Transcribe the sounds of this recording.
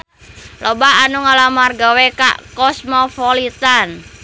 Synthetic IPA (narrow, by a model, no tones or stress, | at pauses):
lɔbaːnuŋalamarɡaweka̰ʔkɔsmɔpɔlit̪an